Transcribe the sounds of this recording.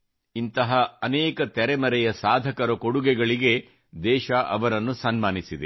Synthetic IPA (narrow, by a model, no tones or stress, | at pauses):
int̪ɐɦɐːnɛːkɐt̪ɛɾɛmɐɾɛjɐsaːd̪ʱɐkɐɾɐkoɽuɡɛɡɐɭiɡe | d̪ɛːʃɐʔɐʋɐɾɐnːusɐnmaːnisid̪e